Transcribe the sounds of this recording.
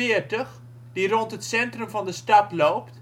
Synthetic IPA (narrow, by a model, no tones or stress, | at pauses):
ɪərtəχ | dirɔntɦətsɛntrəmvɑndəstɑtlowpt